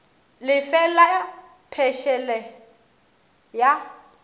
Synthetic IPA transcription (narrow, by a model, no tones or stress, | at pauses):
lɪfɛla | pʰɛʃɛlɛ | ja